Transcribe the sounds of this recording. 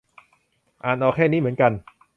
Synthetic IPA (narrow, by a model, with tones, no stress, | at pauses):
ʔaː˨˩nʔɔː˧˩kʰɛː˥˩niː˦˥˩mɯ˩˦ənka˧n